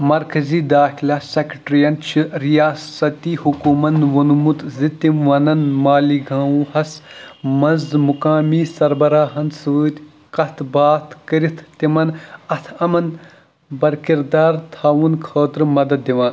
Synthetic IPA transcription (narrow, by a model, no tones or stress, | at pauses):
mɐɾkɐziːd̪aːxilaːsekʈɾijɐnt͡ʃʰiɾijaːsɐt̪iːhukuːmɐnʋɐnumut̪zit̪imʋɐnɐnmaːliːɡʱaːũːhɐsmɐnzmukaːmiːsɐɾbɐɾaːɦɐnsɨʋɨːt̪ʲ | kɐt̪ʰbaːt̪ʰkɐɾit̪ʰt̪imɐnɐt̪ʰɐmɐn | bɐɾkiɾd̪aːɾt̪ʰaːʋunkʰoːt̪ɾɨmɐd̪ɐd̪ːiʋãː